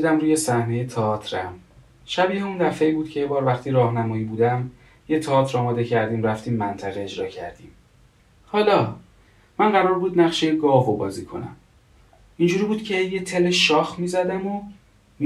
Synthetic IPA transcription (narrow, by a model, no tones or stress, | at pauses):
d̪æmɾuːje̞sæhne̞jet̪ʰeɒːt̪ʰɾæm | ʃæbiːheund̪æfeiːbuːd̪̥̚cʰejebɒːɾvæχt̪ʰiːɾɒːhnæmɒːjiːbuːd̪æm | jet̪ʰeɒːt̪ʰɾɒːmɒːd̪e̞cʰæɾd̪iːmræft̪ʰiːmːænt̪ʰæʁeed͡ʒɾɒ̰ːcʰæ̰ɾd̪iːm | hɒːlɒː | mænɢæɾɒːɾbuːd̪næχʃeɡɒːvobɒ̰ːziːkʰo̞̰næ̰m | ind͡ʒuːɾiːbuːd̪̚cʰe̞jet̪ʰeleʃɒːxmiːzæd̪æmo